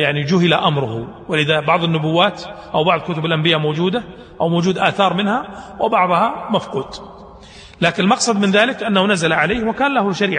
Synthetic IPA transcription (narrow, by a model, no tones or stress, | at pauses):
jaʕnid͡ʒʊɦɪlaʔamɾˤʊhʊ | wɪlɪðabɑʕðˤɪnːʊbʊwːaːt̪ʔawbɑʕðˤkʊt̪ʊbɪlʔambɪjamowːd͡ʒuːd̪a | ʔawmoːd͡ʒuːd̪ʔaːθɑːɾˤmɪnhawʔɪbɑʕðˤhɑmafquːd̪ | laːkɪnɪlmɑqsˤɑd̪mɪnðaːlɪkʔanːahunazalaʕaleːhwɪkaːnlahʊʃaɾiːʕa